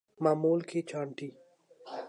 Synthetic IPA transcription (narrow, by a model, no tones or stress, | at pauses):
maːmuːlkʰet͡ʃʰaːɳʈiː